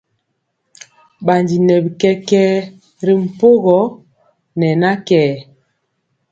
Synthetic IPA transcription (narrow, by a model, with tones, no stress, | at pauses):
ɓa˨ndi˨nɛ˨bi˨kɛ˦kɛː˦ | ɾi˨m̩˨po˦ɣɔ˨˦ | nɛ˨na˦kɛː˨